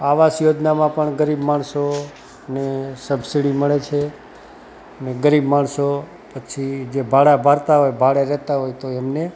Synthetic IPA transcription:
aʋasjod͡ʒnamãpəɳɡəɾibmaɳso | nesəbsiɽiməɭet͡ʃʰe | əneɡəɾibmaɳso | pət͡ʃʰid͡ʒebʱaɭabʱaɾt̪aɦojbʱaɭeɾɛɦt̪aɦojt̪oɛmne

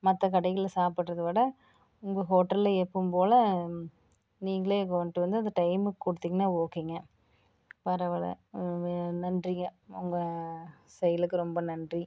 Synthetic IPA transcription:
mɐt̪ːɐk̬ɐɽɐɪɣɪɭlsaːpɪʈːɾɐðɯʋɐɽɐ | ʊŋɡɐɦoːʈːɐlɛpːɯmpoːlɐ | niːŋɡɐɭeːkɔɳʈːɯʋɐnd̪ɯɐnd̪ɐʈɐɪmɯkːɔɽɯt̪ːiːŋɡɐnːaːoːkiːŋɡɐ | pɐɾɐʋɐɭɐ̰ | nɐndrɪŋɡɐʊŋɡɐsɛjɐlɯkːɯɾɔmbɐnɐndri

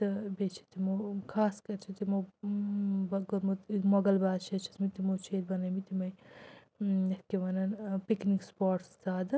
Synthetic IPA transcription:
t̪ɐbet͡ʃʰi̥t̪imokʰaːskɐɾt͡ʃʰit̪imo | bɐɡmomɐɡɐlbaːd̪t͡ʃʰet͡ʃʰi̥smit̪imot͡ʃʰeːd̪bɐnɐmit̪imɐj | ɐkeʋɐnɐnpiknikspaːʈsd̪aːd̪

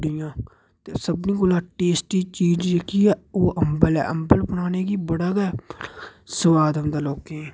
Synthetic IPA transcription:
ɖɪjãː | tt̪eːsəbnĩːkolaːʈeːsʈiːt͡ʃiːd͡ʒd͡ʒekiːɛːoːʔəmbəlɛ̰ːʔəmbəlbənaːneːkiːbəɽaːɡɛː | səʋaːd̪əmd̪aːloːkẽː

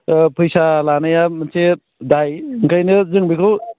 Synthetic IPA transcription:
pʰɯjsalanajamɯnse | dajɯŋkajnɯzɯŋbikʰɯw

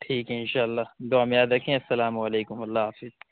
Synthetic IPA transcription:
ʈʰiːkeɪnʃaːɐlːaːd̪oaːmẽjaːd̪ɾɐkʰːẽɐsːɐlaːmɐleːkʊmɐlːaːfɪz

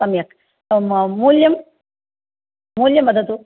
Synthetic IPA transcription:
sɐmjɐk | muːljɐm | muːljɐmːɐd̪ɐd̪u

